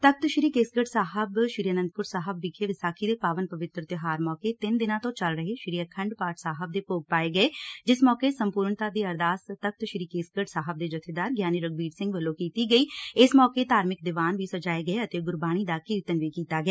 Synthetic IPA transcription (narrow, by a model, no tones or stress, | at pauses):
t̪ək̚t̪ʃɾiːkeːskəʈsaːɦəbʃɾijənə̃nd̪̚pʊɾsaːɦəbːikʰeʋɪsaːkʰid̪eːpaːʋənpəʋɪt̪ɾət̪ɪɦaːɾmɔːket̪ɪnd̪ɪnãːt̪õːt͡ʃəlɾəɦeʃɾiːəkʰəɳɖpaːʈsaːɦəb̚d̪eːpoːɡ̚paːeɡəed͡ʒɪsmɔːkesəmpuːɾɳt̪aːd̪iːəɾd̪aːst̪ək̚t̪ʃɾiːkeːskəʈsaːɦəb̚d̪eːd͡ʒʊt̪ʰed̪aːɾɡjaːniːɾəɡ̚biːɖsɪ̃ŋɡʋəlːõːkiːt̪iɡəiːɪsmɔːket̪aːɾmɪk̚d̪ɪʋaːnʋiːsəd͡ʒaːeɡəeət̪eɡʊɾbaːɽ̃iːd̪akiɪt̪ənʋiːkiːt̪aːɡɪaː